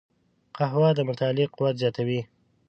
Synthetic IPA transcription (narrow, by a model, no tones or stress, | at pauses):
qaɦwɑd̪əmʊt̪ɑlɪqʊwat̪zjɑt̪awi